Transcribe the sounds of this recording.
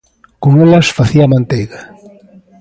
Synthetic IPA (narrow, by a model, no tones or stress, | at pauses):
koŋelɐsfaθiamãnt̪eɣa